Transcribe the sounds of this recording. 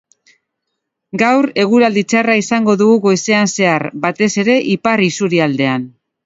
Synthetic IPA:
ɡawɾe̞ɣ̞uɾald̪it͡saraisaŋɡo̞ðuɣuɣo̞jse̞anse̞aɾbat̪e̞se̞ɾe̞ʔiparisuɾiald̪e̞an

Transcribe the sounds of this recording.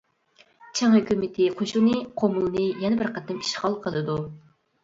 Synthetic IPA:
t͡ʃʰɛŋhøkʲʰymɪt̪ʰɪqʰoʃunɨqʰomulˠɨnɨjɛnɪbɪɾqɑt̪ːɛmi̥ʃχɑlˠqʰəlˠɨd̪u

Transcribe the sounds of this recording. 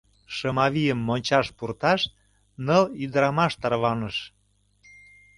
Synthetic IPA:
ʃəmɑβijəmːonʲt͡ɕɑʃpurt̪ɑʃt̪ | nɤlid̪əɾɑmɑʃt̪ɑrβɑnəʃ

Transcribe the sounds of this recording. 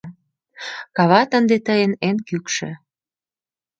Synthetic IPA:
kɑβɑt̪ənd̪et̪əjenenkykʃḛ̆

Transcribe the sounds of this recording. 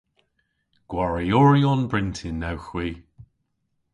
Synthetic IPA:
ɡ̥waɹiɔɹiɔnbɹɪntʰɪnːawxwiː

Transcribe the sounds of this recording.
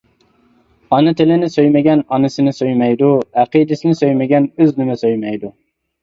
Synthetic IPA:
ɑnɨt̪ʰɪlɪnɪsøjmɪɡʲɛnɑnɨsɨnɨsøjmɛjd̪uæqid̪ɪsɪnɪsøjmɪɡʲɛnøznɪmɛsøjmɛjd̪u

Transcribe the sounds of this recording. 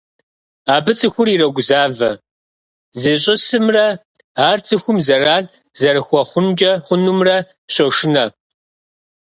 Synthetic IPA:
aːbɨt͡sʼɨxʷʊrirɐɡʷʊzaːvɐ | zɨɕʼɪsɨmrɐ | aːrt͡sʰʼɨxʷʊmzɐraːn | zɐrɨxʷɔχʷʊnd͡ʒʼɐχʷʊnumrɐ | ɕɐʂɪnɐ

